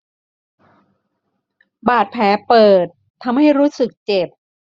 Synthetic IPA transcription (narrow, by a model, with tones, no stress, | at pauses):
baː˨˩t̪̚pʰɛː˩˦pɤː˨˩t̪ʰːa˧mha˥˩jɾuː˦˥sɯ˨˩k̚t͡ɕe˨˩p̚